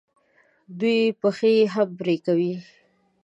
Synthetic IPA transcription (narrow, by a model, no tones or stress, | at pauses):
d̪ujpəxeɦambɾekawi